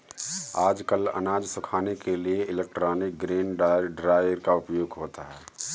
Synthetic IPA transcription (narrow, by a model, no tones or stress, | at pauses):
aːd͡ʒkəlɐ̰naːd͡ʒsʊkʰaːnekelieʔɪlek̚ʈɾaːnɪk̚ɡɾeːnɖɖɾaːɪjəɾkaʊpjoːɡɦoːt̪aɦɛː